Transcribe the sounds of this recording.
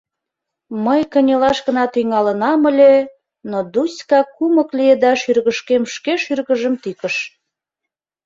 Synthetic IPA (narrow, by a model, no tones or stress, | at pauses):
məjkənʲelɑʃɣə̆nɑt̪yŋɑlənɑməlʲe | nod̪usʲkɑkuməklied̪ɑʃyrɣəʃkemʃkeʃyrɣəʒəmt̪ikəʃ